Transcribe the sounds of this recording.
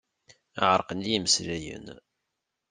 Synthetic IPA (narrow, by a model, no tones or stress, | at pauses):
əʕəɾˤqənd̪jiməsɾæjə̰n